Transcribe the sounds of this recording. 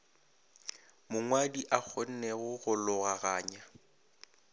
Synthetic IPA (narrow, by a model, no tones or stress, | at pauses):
mʊŋwadiʔak͡xʰɔn̩nɛɣʊɣʊlʊɣaɣaːɲa